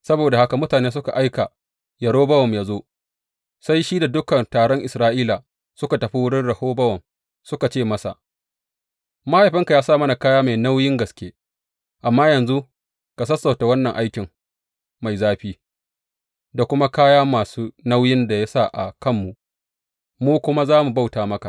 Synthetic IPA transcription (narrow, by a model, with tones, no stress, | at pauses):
sɐ˦boː˨da˨ha˦ka˨mʊ˦taː˨neː˦s̬ʊ˦ka̰˨ʔa˦jka˨ | jɐ˨ɽoː˦bɐ˦wɔ˨mjaː˦zoː˦ | sa˦jʃiː˦da˨dʊ˦kɐ˨ntaː˨ɽɔ˦ŋʔɪ˨sɾaː˦ʔiː˦la˨ | sʊ˦ka˨tɐ˨ɸi˦wʊ˦ɽɪ˦nɽɐ˨hoː˦bɐ˦wɐ˨m | sʊ˦ka˨t͡ʃeː˦˨mɐ˦sa̰˨ | ma˦ha˨jɸɪ˦ŋka˨jaː˦saː˦˨mɐ˦na˨kaː˦jaː˦ma˨jna˦wjɪ˦ŋɡɐ˨skʲeː˦ | ʔa˨mːaː˦jɐ˨nzu˦ | ka˨s̬ɐ˦sːa˨wta˨wɐ˦nːɐ˨ŋʔa˦jkʲɪ˨ŋ | ma˨jzaː˦ɸiː˦ | da˨kʷʊ˦ma˦kaː˦jaː˦maː˨suː˦na˦wjɪ˦nda˨ja˦sa˦ʔa̰˨kɐ˦˨mːu˨ʔ | muː˦kʷʊ˦ma˦zaː˦mu˨ba˦wtaː˨mɐ˦ka̰˨